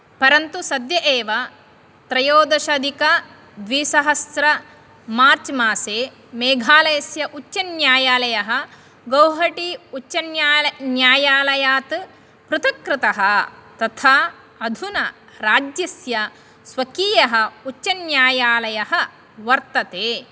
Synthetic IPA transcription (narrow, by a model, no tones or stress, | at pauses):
pɐɾɐnt̪usɐd̪jɐʔeːʋɐ | t̪ɾɐjoːd̪ɐʃɐd̪ʱikɐ | d̪ʋiːsɐɦɐsɾɐ | maːɾt͡ʃmaːseː | meːɡʱaːlɐjɐsjɐʔut͡ʃːt͡ʃːɐnjaːjaːlɐjɐɦɐ | ɡɐwɦɐʈiut͡ʃːɐnːnjaːjaːlɐjaːt̪ɨ | pɾɨt̪ɐkɾɪt̪ɐɦɐ̆t̪ɐt̪ʰaː | ɐd̪ʱunɐ | ɾaːd͡ʒjɐsjɐ | sʋɐkiːjɐɦɐ̆ut͡ʃːt͡ʃɐnjaːjaːlɐjɐɦɐ | ʋɐɾt̪ɐt̪eː